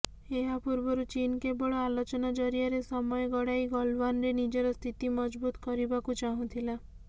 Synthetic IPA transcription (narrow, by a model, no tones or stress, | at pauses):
eɦapuɾbɔɾut͡ʃinkebɔɭɔalot͡ʃɔnad͡ʒɔɾijaɾesɔmɔeɡɔɽajɡɔlbanɾenid͡ʒɔɾɔst̪ʰit̪imɔd͡ʒbut̪ɔ̥kɔɾibakut͡ʃaɦũt̪ʰila